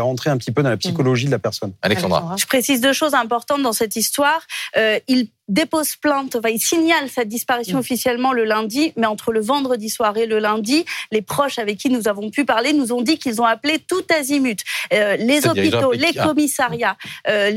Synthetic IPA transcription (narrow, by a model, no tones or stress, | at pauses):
ʁɑ̃t̪χeɛ̃pət̪ipød̪ɑ̃lapsikɔlɔʒid̪əlapɛʁsɔna̰lɛsd̪a̰ʒə̥pχesizd̪øʃozɛ̃pɔʁt̪ɑ̃t̪̚d̪ɑ̃sɛt̪ist̪waʁøil | d̪epozplɛ̃t̪ɑ̃fɛ̃ilsiɲalsad̪ispaʁisjɔ̃ɔfisjɛlmɑ̃ləlɛ̃d̪imɛɑ̃t̪χələvɑ̃d̪ʁəd̪iswaʁeləlɛ̃d̪ilepχɔʃavɛkʲːinuzavɔ̃pypaʁlenuzɔ̃d̪ikilzɔ̃aplet̪ut̪azimyt̪lezɔpit̪olekɔmisaʁjaø